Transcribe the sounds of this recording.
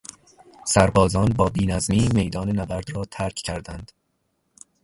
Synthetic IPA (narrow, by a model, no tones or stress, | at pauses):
sæɾbɒːzɒːnbɒːbiːnæzmiːme̞jd̪ɒːnenæbæɾd̪ɾɒːt̪ʰæɾcʰcʰæɾd̪ænd̪̥